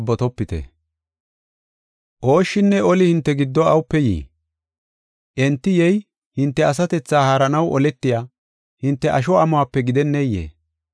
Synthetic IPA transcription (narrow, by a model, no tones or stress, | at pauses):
bːɔt̪ɔpːɪt̪ɛ̰ | ʔo̞ːʃːɪnːɛɔlɪhɪnt̪ːɛɡɪd̪ːɔɐwʊpːɛjḭː | ʔɛnt̪ːɪjɛj | hɪnt̪ːɛɐs̬ɐt̪ɛt͡sːaːhaːɾɐnɐwʔɔlɛt̪ːɪjaː | hɪnt̪ːɛʔɐʃ̬ɔɐmʊaːpːɛɡɪd̪ɛnːɛjːḛː